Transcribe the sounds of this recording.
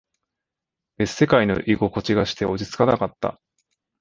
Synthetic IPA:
esse̞kaino̞̰ʔiɡo̞ko̞t͡ɕiɡaɕi̥t̪e̞o̞d͡ʑit͡sɨ̥kanakat̪ːa̰

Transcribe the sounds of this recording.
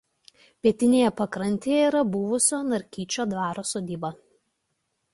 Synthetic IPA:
pʲiɛt̪ʲɪnʲeːjɛpɐkɾɐnʲt̪ʲeːjɛiːɾɐbʊʋʊsʲoːnɐɾʲkʲiːt͡ʃʲoːd̪ʋɑːɾoːsoːd̪ʲiːbɐ

